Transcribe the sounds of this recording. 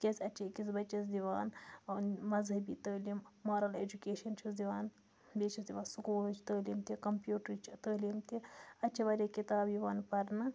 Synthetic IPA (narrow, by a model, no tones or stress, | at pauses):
kʲɐsʲɐt͡ʃʰekisbɐt͡ʃːɐsd̪iʋaːnnmɐzɦɐbiːt̪ɐːliːmːaːɾɐleːd͡ʒukeːʃɐnt͡ʃʰusd̪iʋaːn | beːt͡ʃʰɐsd̪iʋaːnsukuːlɐt͡ʃʰt̪əːliːmt̪ikɐmpjuːʈɾit͡ʃʰit̪əːliːmt̪iɐt͡ʃʰɐbɐɾʲekit̪aːbjiʋaːnpɐɾnɨ